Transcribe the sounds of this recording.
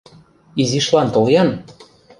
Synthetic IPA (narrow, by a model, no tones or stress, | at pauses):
iziʃlɑnt̪oljɑn